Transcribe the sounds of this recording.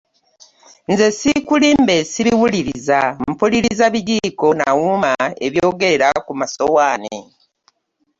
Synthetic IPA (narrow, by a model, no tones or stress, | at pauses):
nze̞sikulimbe̞siβiwuliɾizam̩puliɾizaβiɟiːko̞na̰wumae̞βjo̞ːɡe̞eɾakumasowaːne